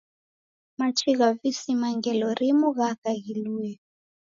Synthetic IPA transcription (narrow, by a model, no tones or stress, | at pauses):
mat͡ʃiɣavisimaŋɡɛlɔɾimuɣakaɣiluɛ